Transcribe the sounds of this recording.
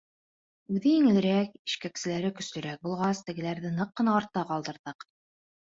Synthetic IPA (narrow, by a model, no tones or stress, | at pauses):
ʉðɘjiŋɘ̆lɘ̆ɾæki̥ʃkæksɘ̆læɾɘkɵ̆slɵ̆ɾæk̚bulˠʁɑst̪ɘ̆ɡɘ̆læɾðɘnɤqːɤ̆nɑːɾt̪ːɑqɑlˠd̪ɤ̆ɾðɤq